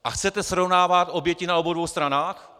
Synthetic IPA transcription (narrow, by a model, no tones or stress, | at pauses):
ʔaxt͡sɛt̪ɛsɾo̞vnaːvat̪ʔo̞bjɛcɪnao̞bowdvowst̪ɾanaːx